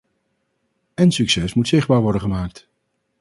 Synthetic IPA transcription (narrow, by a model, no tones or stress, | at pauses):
ɛnsyksɛsmutsɪχd̚baːɹʋɔɾdənχəmaːk̚t